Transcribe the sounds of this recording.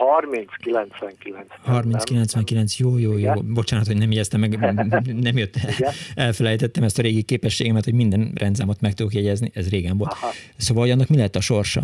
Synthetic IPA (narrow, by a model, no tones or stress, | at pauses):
hɒrmint̪skilɛnt̪sʋɛŋkilɛnt̪shɒrminskilɛnt̪sʋɛŋkilɛnsjoːjoːjoːbo̞t͡ʃaːnɒt̪hojnɛmjeɟɛst̪ɛmːɛɡnɛmjøt̪ːɛlfɛlɛjt̪ɛt̪ːɛmɛst̪ɒɾeːɡikeːpɛʃːeːɡɛmɛt̪homind̪ɛnrʔɛ̰nd̪zaːmot̪mɛk̚t̪ud̪okjɛɟɛzniʔɛzreːɡɛɱvo̞lt̪ | soːʋɒlhoɟɒnːɒkmilɛɦɛt̪ːɒʃo̞rʃɒ̰